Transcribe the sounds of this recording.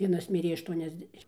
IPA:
ˈʋʲiɛnɐs ˈmʲɪrʲeː ɐʃtuɔnʲɛzʲˈdʲæːʃʲɪm

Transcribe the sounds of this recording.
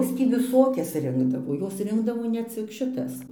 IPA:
ˈjoːs tʲiː ʋʲɪˈsoːkʲɛs ˈrʲɪŋɡdɐʋoː ˈjoːs ˈrʲɪŋɡdɐʋoː nʲɛ ˈt͡sʲɪk ʃʲɪˈtɐs

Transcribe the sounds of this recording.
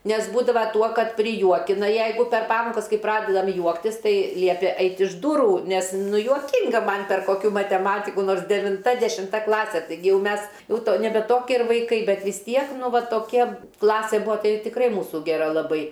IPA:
nʲɛs ˈbuːdɐʋɐ ˈtuɔ ˈkɐt pʲrʲɪˈjuɔkʲɪnɐ ˈjɛɪɡʊ pʲɛr ˈpɑːmoːkɐs ˈkɐɪ ˈprɑːdʲɛdɐm ˈjuɔktʲɪs ˈtɐɪ ˈlʲiɛpʲeː ˈɛɪtʲɪ ɪʃ ˈdʊrʊ nʲɛs ˈnʊ juɔˈkʲɪŋɡɐ ˈmɐn pʲɛr koːˈkʲuː mɐtʲɛˈmɑːtʲɪkʊ ˈnoːrs dʲɛʋʲɪnˈtɐ dʲɛʃʲɪmˈtɐ ˈklˠɑːsʲɛ tɐɪˈɡʲɪ ˈjɛʊ ˈmʲɛs ˈjɛʊ ˈtoː nʲɛˈbʲɛ ˈtoːkʲiɛ ɪr ʋɐɪˈkɐɪ ˈbʲɛt ʋʲɪs ˈtʲiɛk ˈnʊ ˈʋɐ toːˈkʲɛ ˈklˠɑːsʲeː ˈbuɔ ˈtɐɪ tʲɪkˈrɐɪ ˈmuːsʊ ɡʲɛˈrɐ lˠɐˈbɐɪ

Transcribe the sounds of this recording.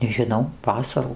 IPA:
nʲɛʒʲɪˈnɐʊ ˈʋɑːsɐruː

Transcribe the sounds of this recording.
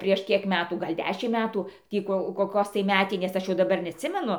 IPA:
pʲrʲiɛʃ ˈkʲiɛk ˈmʲæːtuː ˈɡɐlʲ ˈdʲæːʃʲɪmt ˈmʲæːtʊ ˈtʲiː koː koːˈkoːs tɐɪ ˈmʲæːtʲɪnʲeːs ˈɐʃ jɛʊ dɐˈbɐr nʲɛɐtʲˈsʲɪmʲɛnʊ

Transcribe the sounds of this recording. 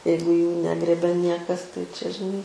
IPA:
ˈjɛɪɡʊ juː ˈnʲæːɡrʲeːbʲɛ ˈnʲiɛkɐs tɐɪ t͡ʃʲɛ ʒʲɪˈnɐɪ

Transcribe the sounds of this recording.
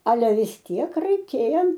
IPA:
ɐˈlʲɛ ʋʲɪs ˈtʲiɛk rɐɪˈkʲeːjɛ

